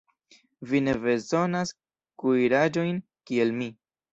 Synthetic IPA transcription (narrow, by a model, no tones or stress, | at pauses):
vine̞be̞zo̞nas | kuiɾad͡ʒo̞jn | kie̞lmi